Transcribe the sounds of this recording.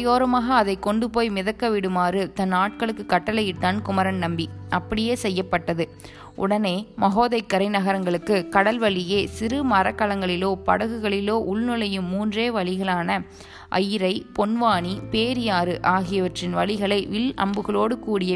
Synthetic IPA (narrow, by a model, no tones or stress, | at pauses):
joːɾɐmaːɣɐːðɐɪkːɔɳɖɯpoːjmɪðɐkːɐʋɪɽɯmaːɾɯt̪ɐnːaːʈ̚kɐɭɯkːɯkːɐʈːɐlɐjɪt̪ːaːnkʊmɐɾɐnnɐmbiɐpːɐɽɪjeːsɛjːɐpːɐʈːɐðɯ | ʔʊ̰ɽɐneːmɐɣoːðɐɪkːɐɾɐɪnɐɣɐɾɐŋɡɐɭɯkːɯkɐɽɐlʋɐɭɪjeːsɪɾɯmɐɾɐkːɐlɐŋɡɐɭɪloːpɐ̰ɽɐɣɯɣɐɭɪloːʔʊɭnɯlɐjɯmːuːndreːʋɐɭɪɣɐɭaːnɐ | ʔɐ̰jɪɾɐɪpɔnʋaːɳipeːɾɪjaːɾɯʔaːɣɪjɐʋɐʈrɪnʋɐɭɪɣɐɭɐɪʋɪlɐ̰mbɯɣɐɭoːɽɯkuːɽɪjɐ